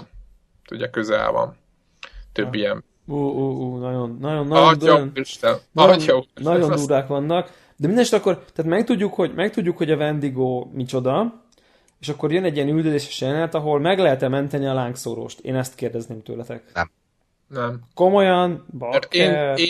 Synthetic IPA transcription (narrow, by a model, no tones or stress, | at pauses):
t̪uɟɒkøzɛ̰lvɒ̰m | t̪øbːijɛn | uːuːuːnɒɟo̞nːɒjo̞nːɒond̪niʃɛːɒnɒjoduːɾʋaːkʋɒnːɒk | d̪ɛmind̪ɛnket̪ɒkːo̞rt̪ɛaːt̪mɛk̚t̪uɟːukho̞ɟmɛkt̪uɟːukho̞ɟɒvɛnd̪iɡoːmit͡ʃo̞d̪ɒ | eːʃɒkːo̞rjønɛɟijɛnyld̪ød̪eːʃɛ̥ʃɛnɛt̪ɒɦo̞lmɛɡlɛɦɛt̪ɛmɛnt̪ɛniɒlaːŋkso̰ːɾo̰ːʃt̪ḛːnɛst̪keːrd̪ɛzneːmt̪ø̰ːlɛt̪ɛk | nɛmko̞mo̞jɒnbɒɛkːɛ